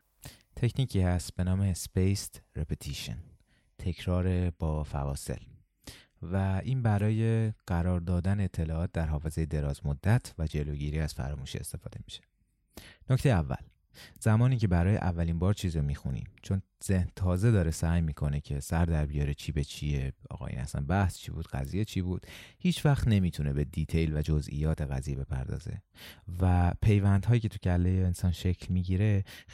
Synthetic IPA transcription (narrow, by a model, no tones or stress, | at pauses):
t̪ʰe̞cʰniːcʰiːhæst̪̚b̥e̞nɒːmespejsɾepʰet̪ʰiʃḛn | t̪ʰe̞cʰɾɒːɾeb̥ɒːfæ̰vɒːse̞̰l | væʔiːnbæɾɒːje̞ɢ̥æɾɒːɾd̪ɒːd̪æneet̪ʰːe̞lɒːɒːt̪̚d̪æɾɦɒːfe̞ze̞jed̪e̞ɾɒːzmod̪ːæt̪ʰvæd͡ʒe̞loːɟiːɾiːæz̥fæ̰ɾɒːmuːʃḭe̞̰st̪e̞fɒːd̪e̞mi̥ʃe̥ | noct̪e̞jævːæ̰l | z̥æmɒːniːcʰe̞bæɾɒːjḛʔævːælimbɒːɾt͡ʃʰiːziɾomiːxunḭːmt͡ʃʰo̞n | z̥ehnt̪ʰɒːze̞d̪ɒːɾe̞sæːjmiːkʰo̞ne̞cʰe̞sæɾd̪æɾbijɒːɾet͡ʃʰiːbet͡ʃʰieɒ̰ːɣɒ̰ːjḭːnæ̰sæ̰nbæhst͡ʃʰḭːbṵːd̪̥ɢæ̰ziːjet͡ʃʰiːbuːd̪̥hiːt͡ʃʰvæxt̪ne̞miːt̪ʰune̞be̞d̪iːt̪ʰe̞jlvæd͡ʒozʔḭjɒːt̪ʰeɣæzijebe̞pʰæ̰ɾd̪ɒ̰ːze̞̰væpʰe̞jvænd̪hɒːjiːcʰe̞t̪ʰucʰælːejeːnsɒːnʃe̞cʰlmiɟiːɾe̞